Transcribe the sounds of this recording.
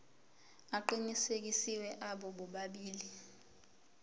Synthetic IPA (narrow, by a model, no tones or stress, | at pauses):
aǃinisek̬isiwɛʔaɓɔɓɔɓaɓiːli